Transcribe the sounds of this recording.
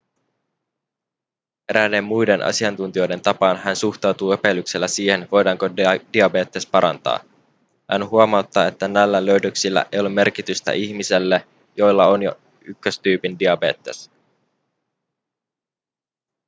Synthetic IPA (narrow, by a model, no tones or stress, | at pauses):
eɾæde̞mːujde̞nʔɑ̰siɑnt̪unt̪io̞jde̞nt̪ɑpɑnɦænsuxt̪ɑwt̪uːepe̞lːykse̞lːæsiːhe̞nʋo̞jdɑːŋkod̥iɑbe̞ːt̪ːespɑɾɑ̰nt̪ɑ̰ː | hænɦuɑmɑwt̪ːɑe̞t̪ːænælːælø̞ɥdøksilːæ̰ʔejolemːe̞rkit̪yst̪æ̰ʔiçmise̞lːe | jo̞jlːɑonjo̰ | ykːøst̪yːpindiɑbe̞̰ːt̪ːe̞s